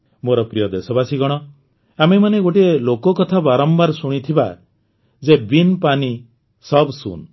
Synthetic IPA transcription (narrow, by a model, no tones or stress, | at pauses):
moɾɔpɾijɔd̪esɔbasiɡɔɽ̃ɔ | amemaneɡoʈielokɔkɔt̪ʰabaɾɔmbaɾsuɽ̃it̪ʰiba̰ | d͡ʒebinpani | sɔbsṵn